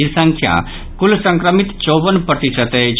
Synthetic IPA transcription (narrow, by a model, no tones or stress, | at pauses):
isə̃ŋkʰjã̰ | kulsə̃ŋkɾəmit̪t͡ʃoːʋənpɾət̪isət̪ed͡ʒ